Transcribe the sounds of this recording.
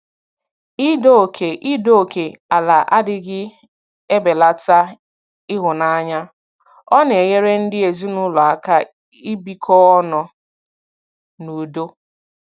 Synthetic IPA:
i˦do˦˨kʰe˨ʔi˦do˦o˨kʰe˨a˨la˨ʔa˦dɪ˦ɡɪ˦ | e˦be˨la˦˨ta˦ | ɪ˦ɦʊ˨na˦ɲa˦ | ɔ˦n˨e˨ɣe˦ɾe˦n̩˦dɪ˦e˨zi˦nʊ˦lɔ˨a˨ka˦ | i˦bi˦kʰɔ˦ɔ˦nɔ˨ | nu˨do˦

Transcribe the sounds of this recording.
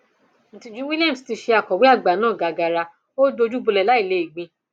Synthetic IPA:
ñ̩˨tĩ˧d͡ʒũ˨˦wi˦li˦a˦˨m˨sti˧ʃe˧a˨kɔ˨wi˦a˦˨ɡ͡ba˨˦nãː˦˨ɡa˨ɡa˨ɾa˧ | o˦do˧d͡ʒu˦bu˧lɛ˨la˨˦i˦˨le˧˦i˨ɡ͡bĩ˧

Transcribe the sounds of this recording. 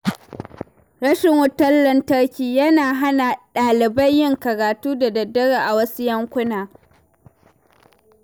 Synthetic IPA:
ɽɐ˦ʃɪ˨ŋwʊ˦tɐ˦lːɐ˦ntɐ˦ɽkʲiː˨jɐ˦naː˨ɦa˦na˨ɗaː˨lɪ˨bɐ˦jːɪ˦ŋkɐ˨ɽaː˨tuː˦da˨dɐ˨dɐ˦ɽaː˨ʔa˨wɐ˦su˦jɐ˦ŋkʷʊ˦naː˨

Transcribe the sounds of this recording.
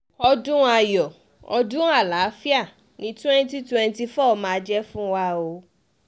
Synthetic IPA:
ɔ˧dũ˦a˨jɔ˨ | ɔ˧dũ˦a˦˨la˨˦fi˦a˦˨ | nĩ˨˦tɛ̃˦nti˦twɛ̃˧n˦ti˧fɔ˦˧mãː˨˧˦d͡ʒɛ˦fũ˦wa˦o˧˦

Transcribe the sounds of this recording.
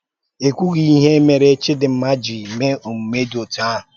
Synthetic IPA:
e˨kʷu˦ɣi˦i˦ɦe˦me˨ɾe˦t͡ʃɪ˦dɪ˨m̩˦ma˦d͡ʒi˨me˦o˨m̩˨me˦do˨ta˦˨

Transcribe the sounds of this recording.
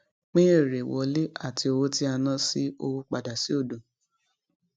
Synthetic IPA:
k͡pĩ˦e˦˨ɾe˨wɔ˨˦le˦a˦˨ti˧o˧wo˦ti˦a˧nã˦si˦o˧wo˧k͡pa˨da˨si˦o˦˨dõ˨

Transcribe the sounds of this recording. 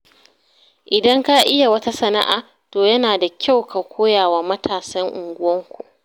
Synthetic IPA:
ʔɪ˨dɐ˦ŋka˦ʔɪ˦ja˨wɐ˦ta˦sɐ˨na̰˦ʔaː˨ | toː˨jɐ˦naː˨da˨kʲa˦wka˨kʷoː˦jaː˨waː˨mɐ˦tʰaː˨sɐ˦ŋʔʊ˨ŋɡʷʊ˦wɐ˦ŋkʷṵ˨ʔ

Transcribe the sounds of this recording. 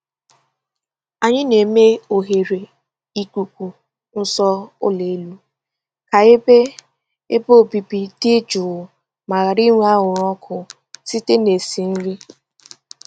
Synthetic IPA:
a˨ɲɪ˦ne˨me˦o˨ɦe˨ɾe˨ | i˨kʷu˨kʷu˨ | n̩˦sɔ˦ʊ̰˦le˨˦lu˦ | ka˨e˦be˦ | e˦bo˦˨bi˨bi˨di˦d͡ʒʊ˨wʊ˨ | ma˨ɣa˨ɾi˦ŋʷu˦a˦ɣʊ˨ɾɔ˦kʰʊ˨ | si˦te˦ne˨si˨n̩˦ɾi˦

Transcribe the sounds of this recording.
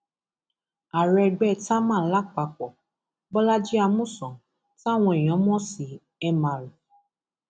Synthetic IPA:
a˨ɾɛ˧ɡ͡bɛ˦˨ta˦mãː˦˨la˦k͡pa˧˨k͡pɔ˨ | bɔ˦la˦d͡ʒi˦a˧mũ˦˨sɔ̃˨ | ta˦˨w̃ɔ̃˧i˨j̃ɔ̃˨˦mɔ̃˦si˨ | ɛ˧mã˨lu˨

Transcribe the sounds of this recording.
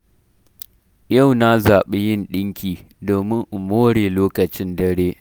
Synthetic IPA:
jɐ˦˨wna˦zaː˨ɓe˦jɪ˦nɗɪ˦ŋkʲiː˨ | doː˨mɪ˦ŋʔʊ˨moː˦ɽeː˨loː˦kɐ˨t͡ʃɪ˦ndɐ˦ɽeː˦ʔ

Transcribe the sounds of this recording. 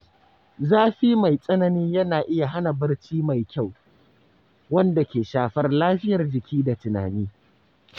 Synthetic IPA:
zaː˦ɸiː˦ma˨jsʼɐ˦nɐ˨ni˦ɲjɐ˦naː˨ʔɪ˦ja˨ɦa˦na˨bɐ˦rt͡ʃiː˦ma˨jkʲa˦˨w | wɐ˦nda˨kʲeː˨ʃaː˨ɸɐ˦rlaː˦ɸɪ˦jɐ˨rd͡ʒɪ˨kʲʰiː˦da˨tɪ˨na̰ː˨niː˦

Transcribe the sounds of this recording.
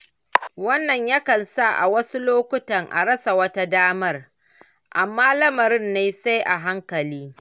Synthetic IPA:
wɐ˦nːɐ˨ɲjɐ˦kɐ˨nsa˦˨ʔa̰˨wɐ˦su˦loː˦kʷʊ˦tɐ˨ŋʔa̰˨ɾɐ˦sa˨wɐ˦ta˦daː˦mɐ˦r | ʔa˨mːaː˦lɐ˦mɐ˨ɾɪ˦nːeː˦sa˦jʔa˨ɦa˦ŋkɐ˨liː˦

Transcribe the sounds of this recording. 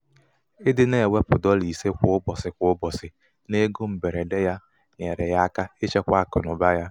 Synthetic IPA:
ɪ˦dɪ˦ne˦˨we˦pʊ˨dɔ˦li˨se˦kʷʊ˨˦ʊ˦bɔ˨sɪ˨kʷʊ˦ʊ˦bɔ˨sɪ˨ | ne˦ɡo˦m̩˨be˨ɾe˨de˦ja˦ | ɲe˨ɾe˨ja˦a˦ka˦e˦t͡ʃe˦kʷa˦a˦˨kʊ̰˨nʊ˨ba˦ja˦

